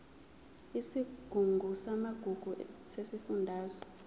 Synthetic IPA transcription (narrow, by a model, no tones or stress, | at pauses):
isiɡ̥ʱuŋɡʱusamaɡ̥ʱuɡ̥ʱusesifundʱaːzɔ̥